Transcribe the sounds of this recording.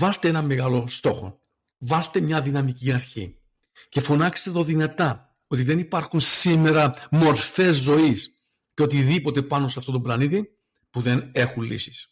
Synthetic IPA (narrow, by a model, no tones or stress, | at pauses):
vɐθt̪ee̞nɐmːe̞ɣɐlo̞st̪o̞xo̞̰ | vɐθt̪e̞mɲɐðinɐmiciɐɾçḭ | ce̞fo̞nɐkst̪eðo̞ðinɐt̪ɐ | o̞t̪iðe̞nipɐɾxunsime̞ɾɐmo̞ɾfe̞zːo̞is | ceo̞t̪iðipo̞t̪e̞pɐno̞seɐft̪o̞t̪o̞blɐnit̪i | puðe̞ne̞xullḭsi̥s